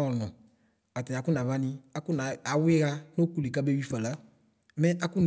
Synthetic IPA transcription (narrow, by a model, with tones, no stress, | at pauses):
ɔ˨nɔ̃˨ | a˨tɛ˨a˨˦ku˦na˨va˦nĩ˧a˦ku˦na˨a˨˦we˦ɣa˦no˦ku˨le˨ka˦be˦wi˦fa˨la˦ | mɛ˦ʔa˦ku˦n